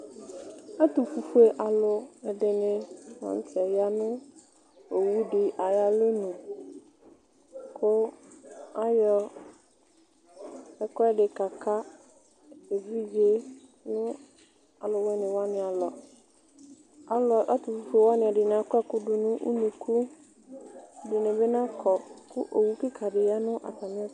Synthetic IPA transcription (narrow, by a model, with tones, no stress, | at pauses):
a˦tʊ˨fu˨fe˨ʔa˨lʊ˨ɛ˨dɪ˨nɪ̃˨wã̰˨n˨˦tʰɛ˨ja˦nʊ̃˦ | o˨wu˦ɖɪ˨ʔa˨ja˦le˦nũ˨ | kʰʊ˦ | a˦jɔ˦ | ɛ˨kɔ˦ɛ˦ɖɪ˨ka˨kʰa˦ | e˨vi˦d͡ʒe˦ | nʊ̃˦ | a˨lɔ˨wɛ˦nɪ̃˨wa˦nɪ̃˨a˨lɔ˨ | a˦lɔ˨ʔa˦tʊ˨fʊ˨fʊ˨wa˦nɪ̃˨a˨dɪ˨nã˨a˨˦kɔ˦ɛ˦kʊ˦dʊ˨nʊ̃˦ʔṵ˦nũ˨kʰu˦˨ | dɪ˨nɪ̃˨be˦nã˦kʰɔ˨kʰʊ˦ʔo˨wu˦ki˦kʰa˨dɪ˨ja˦nʊ̃˦ʔa̰˨sa˨mɪ̃˦ɛ˦